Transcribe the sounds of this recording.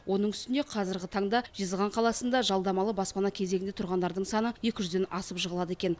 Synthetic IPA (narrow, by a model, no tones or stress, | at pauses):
wʔo̞nəɴʏst̪ɪne̞qʰɑzɪɾɡʲɪt̪ʰɑɴd̪ɑʒ̥əzʁɑɴqʰɑlˠɑsənd̪ɑʒɑlˠd̪ɑmɑlˠəbɑspɑnɑkʲʰe̞zeɡɪnd̪et̪ʰɾʁɑnd̪ɑɾd̪əɴsɑnəje̞kʲɪʒʏzd̪e̞nɑsəpʒəʁəlˠɑd̪əekʲe̞n